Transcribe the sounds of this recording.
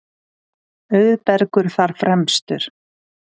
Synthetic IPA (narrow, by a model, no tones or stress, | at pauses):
œɥðpɛɾkʏɾ̥θaɾ̥fɾɛmst̪ʏɾ̥